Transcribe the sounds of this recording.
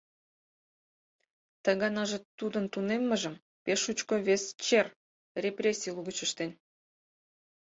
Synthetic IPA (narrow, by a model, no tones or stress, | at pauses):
t̪ɑɣɑnɑʒĕt̪ud̪ənt̪unemːəʒə̆m | peʃut͡ɕkoβest͡ɕer | rʲeprʲesʲijlˠuɣət͡ɕə̆ʃt̪en